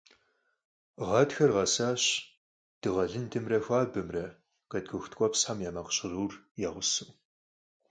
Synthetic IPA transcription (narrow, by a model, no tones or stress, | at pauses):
ʁɐtxɐrʁɐsaːɕ | d̥ɨʁɐɮɨndɨmrɐxʷaːbɨmrɐ | kʼɐdɡɨxtʰkʷʼɔpsħamjaːmɐqɕɪruːr | jaːʁʷʊsɨw